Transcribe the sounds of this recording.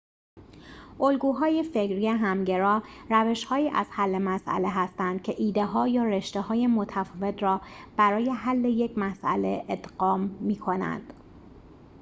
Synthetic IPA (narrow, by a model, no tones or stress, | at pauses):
ʔolɡuːɦɒːje̞fe̞cɾijeɦæmɟe̞ɾɒːɾæve̞ʃhɒːiːʔæ̰z̥hælːe̞mæsʔæ̰le̞ɦæst̪ænd̪̥̚cʰe̞ʔiːd̪e̞ɦɒːjɒːɾe̞ʃt̪eɦɒːje̞mot̪ʰæfɒːve̞t̪ɾɒːb̥æɾɒːje̞ɦælːe̞je̞cʰmæsʔæ̰le̞ʔed̪ɢɒːmːiːkʰo̞næ̰nd̪̥